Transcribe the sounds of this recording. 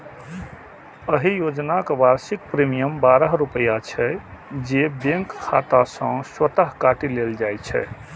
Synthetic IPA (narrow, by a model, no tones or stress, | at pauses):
əɦijod͡ʒnakebaɾsik̚pɾimijəmbaɾəɦɾupəjat͡ʃʰɛd͡ʒebẽŋkkʰːat̪asə̃swət̪əɦkaʈileld͡ʒajt͡ʃʰɛ̰